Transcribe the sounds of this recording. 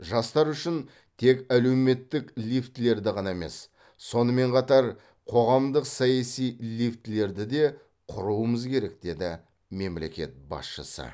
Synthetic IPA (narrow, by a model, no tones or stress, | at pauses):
ʒɑst̪ɑɾʏʃɪn | t̪ʰe̞kæle̞wme̞t̪ːɪklift̪ɪle̞ɾd̪ɪʁɑnɑeme̞̰s | so̞nəme̞ɴqʰɑt̪ɑɾ | qʰo̞ʁɑmd̪əqsɑjɑsijlift̪ɪle̞ɾd̪ɪd̪e̞ | qʰʊɾuəməzkʲʰe̞ɾe̞k̚d̪e̞d̪ɪ | me̞mle̞kʲe̞̰t̪̚bɑ̰sʃə̰sə̰